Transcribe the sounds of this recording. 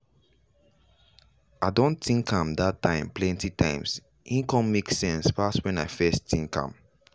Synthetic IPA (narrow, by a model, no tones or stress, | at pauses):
aɪdõntĩŋkʰãmdatʰːãɪ̃mplɛ̃ntitʰãɪ̃ms | ʔĩnkɔ̃mmeksɛ̃nsfastwɛ̃naɪfɛsttĩŋkã̰m